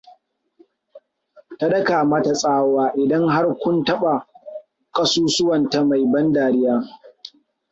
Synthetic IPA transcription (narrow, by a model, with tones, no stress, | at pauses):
ta˦dɐ˦kaː˨maː˦ta˨sʼaː˦waː˦ʔɪ˨dɐ˦ŋɦa˦rkʷʊ˦ntɐ˦ɓa˨ | kʼɐ˦suː˦sʊ˦wɐ˨nta˨ma˨jbɐ˦ndaː˨ɽɪ˦jaː˦